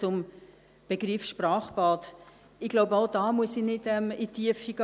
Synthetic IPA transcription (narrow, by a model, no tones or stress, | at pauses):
t͡sʊm | b̥eɡ̥rifʃprɑːχb̥ɑːt | ɪɡloʊbəaʊdɑːmuəsinɪdɛmitʰiəfiɡ̥